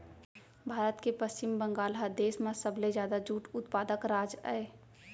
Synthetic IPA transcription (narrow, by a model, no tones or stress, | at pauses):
bʱaːɾət̪kepəst͡ʃɪmbə̃ŋɡaːlɦəd̪eːsmãsəbled͡ʒjaːd̪ad͡ʒuːʈʊt̪paːd̪əkɾaːd͡ʒa̰e